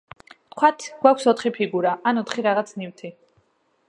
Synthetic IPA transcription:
t̪̚ʰkʰwat̪ʰɡ̥wakʷʰsɔt̪ʰχipʰiɡuɾaanɔt̪ʰχiɾaʁat̪sʰniwt̪ʰi

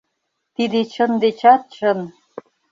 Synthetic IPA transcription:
t̪id̪et͡ɕə̆nd̪et͡ɕɑt̪̚t͡ɕə̆n

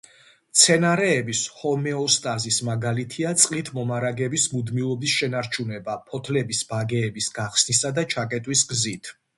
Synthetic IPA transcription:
mt̪sʰɛnaɾɛːbishɔmɛɔst̪ʼazismaɡalit̪ʰiat̪sʼqʼit̪ʰmɔmaɾaɡɛbismud̪milˠɔbisʃɛnaɾt͡ʃʰunɛbapʰɔt̪ʰlɛbisb̥aɡɛːbisɡ̥aχsnisad̪at͡ʃʰakʼɛt̪ʼwisɡzit̪ʰ

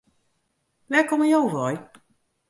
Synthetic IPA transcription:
ʋɛkɔməjowvɔj

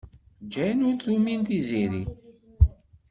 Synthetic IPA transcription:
d͡ʒæjnʊnθumint̪iziɾi

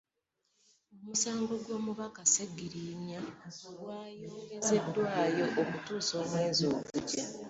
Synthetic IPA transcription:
o̞musaːŋɡo̞ɡwo̞ːmuβakaseɡːiɾiɲaoɡwaːjoɡeze̞dːwaːjo̞ʔokutuːso̞ːmwe̞ːnzo̞ːkuca

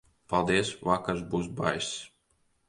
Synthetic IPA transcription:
palˠd̪iɛsvakːaɾzbuːs̬ba̰js

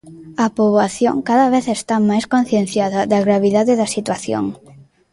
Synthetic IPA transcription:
ɐpoβwaθjo̰ŋkaðɐβeθest̪amajskõn̟θjẽn̟θjaðɐðɐɣɾaβ̞iðaðɪðɐsit̪waθjo̰ŋ

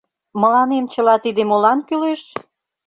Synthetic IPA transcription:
mə̆lɑnemt͡ɕə̆lɑt̪id̪emolɑnkyleʃ

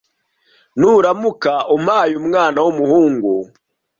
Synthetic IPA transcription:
nuɾamukaʔumaːjumŋaːnawumuhuːŋɡu

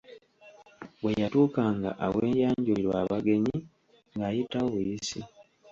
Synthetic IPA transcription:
wejatuːkaːŋɡa̰ʔawe̞ːjaːɲɟuliɾwaːβaɡe̞ɲi | ŋɡaːjitawoβujisi

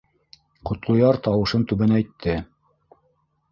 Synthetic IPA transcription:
qŏt̪lˠŏjɑɾt̪ɑwɤ̆ʃɤnt̪ʉβɘnæjt̪ʰːɘ

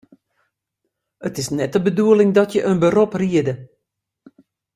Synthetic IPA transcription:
ətɪsnɛt̚əbəduəlɪŋdɔtjəʔənbəropriədə

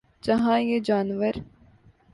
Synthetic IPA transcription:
d͡ʒɐɦãːjeːd͡ʒaːnʋəɾ

